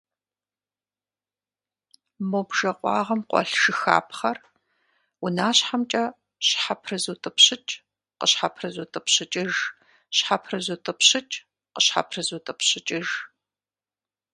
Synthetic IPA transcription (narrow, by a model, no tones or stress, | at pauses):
mobʒ̥ɐqʷʼɑ̰ːʁɐmqʷʼɔ̰ɬʂɨxa̰ːpʰχɐr | wʊnaːɕħamt͡ʃʼɐ | ɕħapʰrɨzuːtʼɨpɕɪt͡ʃʼ | qəɕħapʰrɨzuːtʼɨpɕɪt͡ʃʼɪʒ | ɕħapʰrɨzuːtʼɨpʰɕɨt͡ʃʼ | qəɕħa̰pʰrɨzuːtʼɨpɕɪt͡ʃʼɪʒ